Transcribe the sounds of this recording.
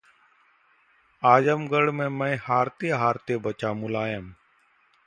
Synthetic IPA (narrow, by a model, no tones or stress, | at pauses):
aːd͡ʒəmɡəɽmẽːmə̃ːhaːɾt̪eːɦaːɾt̪eːbət͡ʃaːmʊlaːjəm